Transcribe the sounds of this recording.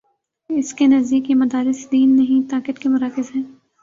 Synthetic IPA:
ɪskenɐzd̪iːkjemɐd̪aːɾɪsd̪iːnːɐɦĩt̪aːkət̪kemʊɾaːkɪzɦɛ̃ː

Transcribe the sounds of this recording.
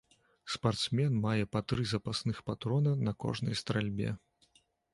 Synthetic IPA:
spart̪smʲɛnmajɛpɐt̪ɾɨzɐpasnɨxpat̪ɾɔnɐnɐkɔ̰ʐnɐ̰jst̪ɾalʲbʲɛ̰

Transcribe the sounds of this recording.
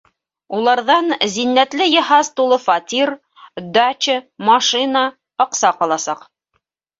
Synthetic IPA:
ulˠɑɾðɑnzinːæt̪lɘjɤ̆ɦɑzt̪ulˠɤfɑt̪ʲir | d̪at͡ʃɘmɑʃɨnə | ɑ̆qsɑqɒlˠɑsɑq

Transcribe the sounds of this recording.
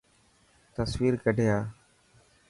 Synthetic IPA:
t̪əsʋiːɾkəɖʱejaː

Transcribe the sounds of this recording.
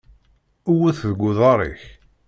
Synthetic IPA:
uwæθðəɡʷːʊðˤɑɾˤḭç

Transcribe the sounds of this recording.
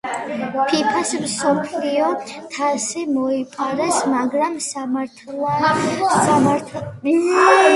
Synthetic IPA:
pʰipʰasmsɔpʰliɔt̪ʰasimɔipʼaɾɛsmaɡɾamsamaɾt̪ʰl | aa

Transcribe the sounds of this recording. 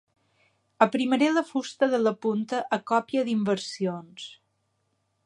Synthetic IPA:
əpɾiməɾeləfust̪əðələpunt̪əʔəkɔpiəðimbəɾsions

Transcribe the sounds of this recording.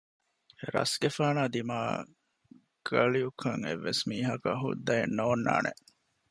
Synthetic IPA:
ɾɐ̰sɡefaːnaːd̪ima̰ː | ɡ̥ɐliukʰɐŋḛʋːesmiːɦɐkɐɦṵd̪ːɐenːoːnːa̰ːnʔḛ

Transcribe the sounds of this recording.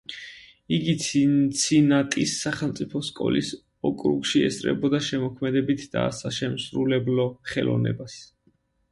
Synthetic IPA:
iɡit̪t̪sʰinat̪ʼisːaχɛlˠmt̪sʼipʰɔskʼɔ̰lis | ɔkʼɾṵkʃiɛ̰sʼɾɛ̰bɔd̪aʃɛmɔkʰmɛd̪ɛbit̪ʰd̪̥a̰saʃɛmsɾulɛblɔχɛlɔ̰nɛ̰bas

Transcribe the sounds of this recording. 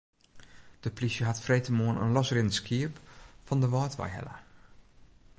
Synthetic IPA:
d̥əplisjəɦatfreːtəmoənə̰nlɔsrɪnskʰiəpfɔndəʋɑːtʋa̰jɦɛ̰lə̰

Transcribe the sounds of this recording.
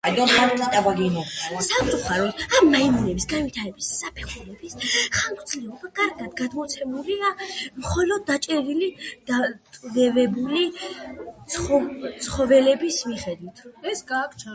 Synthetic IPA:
ad̪ɔmmaɾt̪ʼit̪ʼabaɡinɔsamt̪sʼuχaɾɔd̪amːaimunɛbisɡanwit̪ʰaɾɛbisːapʰɛχulɛbisχamkʼd̪sʰlɛɔbakʼaɾɡad̪ɡad̪mɔt̪sʰɛmuliamχɔlɔd̪̚ːat͡ʃʼɛɾilid̪̥at̪ʼd̪ɛvɛbuli | t̪sɔt̪sʰχɔvɛlɛbismiχɛd̪wit̪ʰɛsɡakʰt͡ʃʰ

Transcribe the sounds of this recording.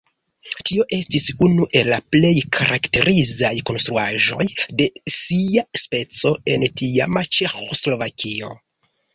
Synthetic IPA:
tio̞ʔe̞stisunuʔe̞lːaple̞jkʰaɾʔakte̞ɾʔizajko̞nst̪ɾuaʒo̞jde̞siaspe̞t͡so̞e̞ntiamat͡ʃe̞xo̞slo̞vakʰio̞̰

